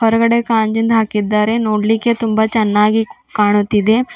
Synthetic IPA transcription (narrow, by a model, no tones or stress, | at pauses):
ɔɾkɐɽekaːnd͡ʒənd̪ʱaːkid̪aːɾenoːɽliket̪ʊmbat͡ʃɐnːaːɡi | kaːɳ̃ot̪id̪e